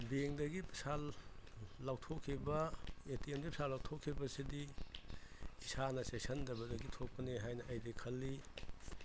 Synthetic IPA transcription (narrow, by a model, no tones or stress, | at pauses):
beŋdɐɡipi̥salː | awtʰokʰːibɐetiemɡipisalːawtʰokʰːibɐsidi | isanɐsesɐndɐbɐdɐɡitʰok̚pɐneɦajnɐʔɐjdikʰɐlːi